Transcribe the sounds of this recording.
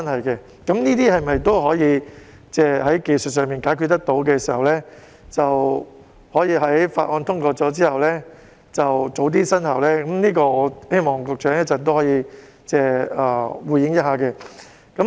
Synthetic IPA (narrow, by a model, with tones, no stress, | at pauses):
ɐ˥nhɐ˨jkɛ˧ | kɐ˨˥mniː˥t̪iː˥hɐ˨jmɐ˨jt̪o˥wɦɔː˨˥jiː˨˧ | t͡sɛː˥˩ɦɐ˨˥jke˨jsɵ˨t̚sœː˨˧ŋmiː˨nkaː˨˥jkʰyː˧t̪ːɐ˥k̚t̪o˨˥wkɛː˧siː˨˩hɐ˨wlɛː˥ | t͡sɐ˨w | hɔː˨˥jiː˧ɦɐ˨˥jfaː˧t̚ʔɔː˧nt̪ʰʊ˥ŋkɔː˧t͡sɔː˨˥t͡siː˥hɐ˨wlɛː˥ | t͡sɐ˨wt͡so˨˥wt̪̬iː˥sɐ˥nhɐ˨˩wlɛː˥kɐ˨˧˥mniː˥kɔː˧ŋɔː˨˧he˥jmɔː˨˩ŋkɔ˨˩k̚t͡ʃœː˨˥ŋjɐ˥t̚t͡sɐ˨t̪o˥whɔː˨˥jiː˨˧ | t͡sɛː˥˩ɐː˨˩wuː˨˧jɪ˨˥ŋjɐ˥t̚ɦaː˨˧kɛ˧ | kɐ˨˥m